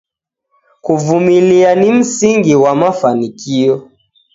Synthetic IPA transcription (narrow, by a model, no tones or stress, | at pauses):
kuvumilianim̩siŋɡiwamafanikijɔ